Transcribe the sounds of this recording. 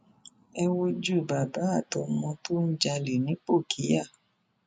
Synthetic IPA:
ɛ˧wo˦d͡ʒu˦˨ba˨ba˨˦a˦˨tɔ˨mɔ̃˧to˦ñ̩˦d͡ʒa˧le˨nĩ˨˦k͡po˦˨kʰi˨˦ja˦˨

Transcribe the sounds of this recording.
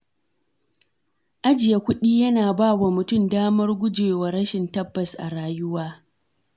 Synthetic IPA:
ʔa˦d͡ʒɪ˨ja˨kʷʊ˦ɗiː˦jɐ˦naː˨baː˦˨wa˨mʊ˨tʊ˦˨mdaː˦mɐ˦rɡʷʊ˦d͡ʒeː˨wa˨ɾɐ˦ʃɪ˨ntɐ˦bːɐ˨sʔa̰˨ɽaː˦jʊ˦waː˦

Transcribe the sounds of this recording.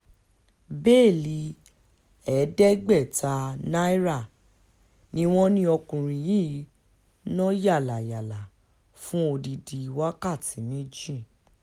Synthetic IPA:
be˦˨li˧˦ | ɛ˨˦dɛ˦ɡ͡bɛ˦˨ta˧na˦i˦ɾa˦˨ | nĩ˧w̃ɔ̃˦nĩ˦ɔ˧kũ˨ɾ̃ĩ˨ji˦˨˦ | nɔ̃˦ja˦˨la˨ja˨la˨ | fũ˦o˧di˧di˨˧wa˦ka˦˨ti˨˦nĩ˦d͡ʒi˦˨

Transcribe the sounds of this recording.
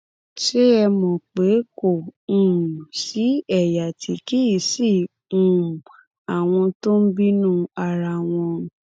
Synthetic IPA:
ʃe˦ɛ˧mɔ̃˨k͡pe˨˦kõ˦˨˦ | si˨˦ɛ˦˨ja˨tʰi˨˦ki˦i˨sĩ˦˨˦ | a˨w̃ɔ̃˧to˦m̩˦bi˦nũ˦a˧ɾa˧˨w̃ɔ̃˧

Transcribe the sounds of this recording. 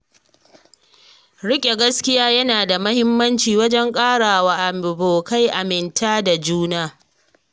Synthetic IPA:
ɽɪ˦kʲʼe˨ɡɐ˦skʲɪ˦jaː˦jɐ˦naː˨da˨mɐ˦hɪ˦mːɐ˦nt͡ʃiː˨wɐ˦d͡ʒɛ˦ŋkʼaː˦ɽaː˨waː˨ʔa˨boː˨ka˦jʔa˨mɪ˨ntʰaː˦da˨d͡ʒuː˦naː˦

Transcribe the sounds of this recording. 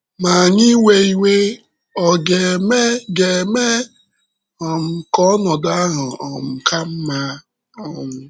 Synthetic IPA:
ma˨ɲi˦we˦i˦we˦ | ɔ˨ɡe˨me˦ɡe˨me˦ | ɔ˨m̩˨kɔ˦nɔ˨da˦a˦ɦʊ˨ɔ˨m̩˨ka˦m̩˦ma˦ | ɔ˦ŋʷʊ˦

